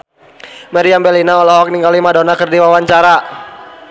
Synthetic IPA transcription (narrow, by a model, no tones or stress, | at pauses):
maɾiambɛlinaɔlɔɦɔk̚niŋɡalimadɔnakɨrdiwawaɲt͡ʃaɾa